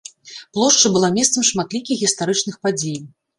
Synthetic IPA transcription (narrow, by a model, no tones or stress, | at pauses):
plˠɔʂt͡ʂɨbɨlˠamʲɛst̪sɐmʂmat̪lʲikʲixɣʲist̪aɾɨt͡ʂnɨxpad͡zʲej